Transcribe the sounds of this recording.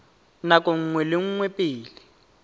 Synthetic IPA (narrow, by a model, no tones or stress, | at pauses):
nakʼoŋ̩ŋwɛlɪŋ̩ŋwɛpʼɪːlɪ